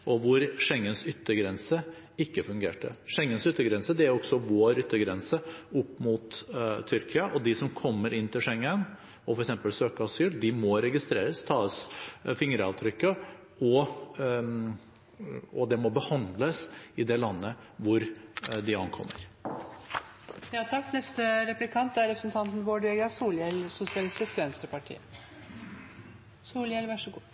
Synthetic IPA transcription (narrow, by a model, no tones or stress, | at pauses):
ʔɔʋʊɾʂɛŋːənsʏt̪ːəɡɾɛnsə | ɪkːəfʉŋɡḛːʈə̰ʂɛŋːənsʏt̪ːəɡɾɛnsəd̪ɛæɾɔksɔʋoːɾʏt̪ːəɡɾɛnsəʊpːmut̪ʰːʏɾkʰɪɑʔɔd̪ɪsɔmkʰɔmːəɾɪnːt̪ʰɪlʂɛŋːən | ɔfɔɾɛksɛmpəlsøːkəɑsyːld̪ɪmɔɾɛɡɪst̪ɾḛːɾəst̪ʰɑːəsfɪŋɾəɑʋt̪ʰɾʏkːə | ɔ | ɔd̪ɛmɔbəhɑnd̪ləsɪd̪ɛlɑnːə | ʋʊɾd̪ɪɑnkʰɔ̰mːə̰ɾ | jɑːt̪ʰɑkːnɛst̪əɾɛplɪkʰɑnt̪̚æɾɛpɾəsnt̪ʰɑnt̪nʋoːɖʉɛɡæsuːljɛlsʊsɪɑlɪst̪ɪskʋɛnst̪əpɑʈʰḭːə | suːljɛlʋæʂəɡuː